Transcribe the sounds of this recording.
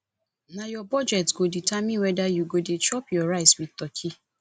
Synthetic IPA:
nãjɔbɔd͡ʒɛtɡoditamĩwɛdajuɡodet͡ʃɔpjɔɾaɪswitɔkʰi

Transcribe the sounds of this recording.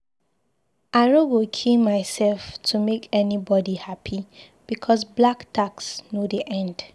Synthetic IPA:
aɪɹoɡokʰilmaɪsɛlftʰumekʰɛnibɔdihapʰi | b̥ikʰɔsblaktʰaksnodiʔɛ̃nd̥

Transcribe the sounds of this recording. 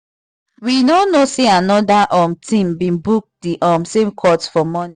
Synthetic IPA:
winonoseanɔdaʔɔmtĩmbĩnbuk̚diʔɔmsẽmkʰɔtfɔmɔni

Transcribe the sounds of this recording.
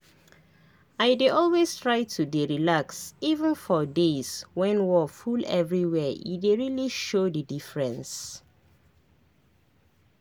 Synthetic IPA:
aɪdeʔɔlwestʰɹaɪtʰudeɹilaksivə̃nfɔdeswɛ̃nwɔfulɛ̰vɹiwɛḭdeɹiliʃodədifɹɛ̃ns

